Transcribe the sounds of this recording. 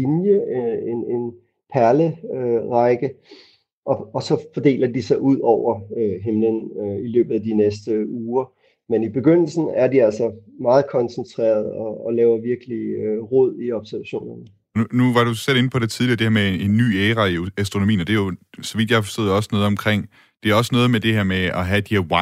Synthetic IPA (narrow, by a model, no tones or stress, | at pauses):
injəene̝n | pʰæɐləøʁɑɪɡ̥ə | ʔɒ̽ɒ̽sɒ̽fɒd̥e̝̰ːlɐd̥isɑ̈ɪʔuð̞̰ˠɒʊ̰ɐøɦemlənøilø̰ːb̥ð̩ˠæd̥inesd̥əuːɐ | menib̥e̝ɡ̥øn̰l̩sn̩æɐdiæl̰sɒmɑ̈ːð̩ˠkʰɒ̽nsənt͡sʰʁɛ̰ːɐð̞ˠɒ̽ːlɛːʊɐʋiɐɡ̥əliøʁɔð̞̰ˠiɒ̽b̥sæɐʋæɕo̝̰ːnɐnə | ɒunuʋɑ̈ɾ̥usel̰e̝nəpʰɒd̥et͡sʰiðˠliɐd̥eheɐmee̝nːy̰ːeːʁɑiæsd̥ʁo̝nomḭːnɒd̥e̝jo̝sɒ̽ʋid̥jɑ̈fɒ̥sd̥o̰ðˠɒ̽sənɔ̽ːð̞̩ˠɒ̽mkʰʁeŋ̰ | d̥e̝æɒ̽sənɔ̽ːð̞̩ˠmed̥e̝ɦeɐmeɒɦæd̥iheɐwɑ